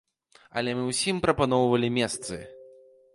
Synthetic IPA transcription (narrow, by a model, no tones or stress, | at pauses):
ɐ̰lʲɛmɨwsʲimpɾɐpanɔwvɐlʲimʲɛst̪sɨ̰